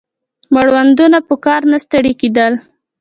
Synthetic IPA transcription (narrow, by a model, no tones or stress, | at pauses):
məɽwand̪unapəkɑɾnast̪əɽeked̪əl